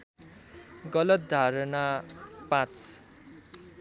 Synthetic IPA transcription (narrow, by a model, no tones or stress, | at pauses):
ɡʌlʌt̪̚d̪ʱaɾʌnapãt͡s